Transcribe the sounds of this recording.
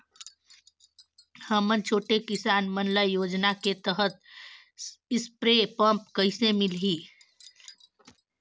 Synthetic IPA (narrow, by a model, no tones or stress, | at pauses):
həmənt͡ʃʰoːʈekɪsaːnmənləjoːd͡ʒnaket̪əɦət̪̚ | ɪspɾepəmp̚kəɪsemɪlɦiː